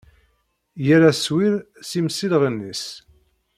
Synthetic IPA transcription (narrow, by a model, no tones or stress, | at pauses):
jæɾæswiɾ | simsilʁənːis